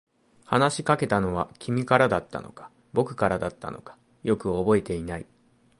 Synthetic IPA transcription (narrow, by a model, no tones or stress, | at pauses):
hanaɕikake̞t̪ano̞β̞akʲʰimʲikaɾad̪at̪ːa̰no̞kḁ | bo̞kɯ̟̥kaɾad̪at̪ːa̰no̞kḁ | jo̞kɯ̟o̞bo̞e̞t̪e̞inaḭ